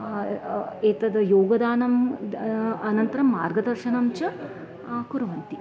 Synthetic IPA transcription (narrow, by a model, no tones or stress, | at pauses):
eːt̪ɐd̪ɐjoːɡɐd̪aːnɐm | ɐnɐnt̪ɐɾɐmːaːɾɡɐd̪ɐɾʃɐnɐmt͡ʃɐ | kuɾuʋɐnt̪i